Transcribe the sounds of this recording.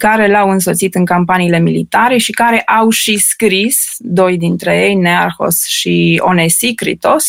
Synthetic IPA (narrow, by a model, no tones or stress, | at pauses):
kaɾe̞lawɨnso̞t̪sit̪ɨŋkampaniːle̞milit̪aɾe̞ʃikaɾe̞ʔawʃiskɾis | d̪o̞jd̪int̪ɾe̞je̞jnearxo̞̰sʃio̞̰nesikɾḭt̪o̞s